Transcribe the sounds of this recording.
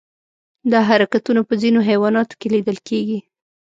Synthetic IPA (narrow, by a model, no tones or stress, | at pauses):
d̪ɑɦaɾakat̪unapəzinoɦewɑnɑt̪o̥keled̪əlkʰeɡi